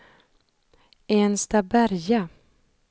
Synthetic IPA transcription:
enst̪abæɾja

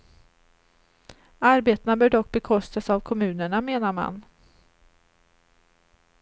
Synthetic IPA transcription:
aɾbeːt̪anabœːɖɔkːbɛkʰɔst̪asavkʰɔmʉ̟ːnəɳameːnaɾma̰n

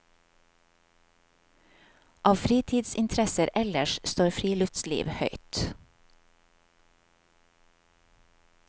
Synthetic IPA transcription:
ʔɑːʋfɾiːt̪ʰiːd̪sɪnt̪ʰɾɛsəɾʔɛləʃst̪oːɾfɾiːlœft̪slḭːʋhœʏt̪

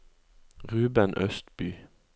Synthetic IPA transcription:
ʁʉːbənʔœst̪byː

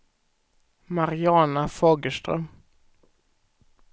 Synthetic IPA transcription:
maɾɪɑːnafoːɡəʂtɾœ̰m

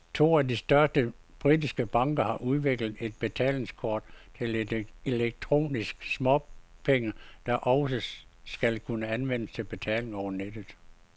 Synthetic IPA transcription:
t͡sʰo̝̰ːædisd̥ɶɐsd̥ə | b̥ʁidisɡ̥əb̥ɑ̈ŋ̰ɡ̥ɐhɑ̈ʔuð̞ˠʋe̝ɡ̥ləð̩ˠe̝d̥̚b̥e̝t͡sʰɛ̰ːle̝ŋskʰɒːd̥t͡sʰe̝led̥eleɡ̥̚t͡sʰʁo̝̰ːnisɡ̥smɒpʰeŋəd̥ɑ̈ʔɒ̽ʊsəsɡ̥ælkʰunəænʋen̰əst͡sʰe̝lb̥e̝t͡sʰɛ̰ːle̝ŋɒʊɐned̥ð̩ˠ

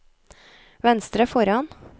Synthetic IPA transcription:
ʋɛnst̪ɾəfɔɾɑn

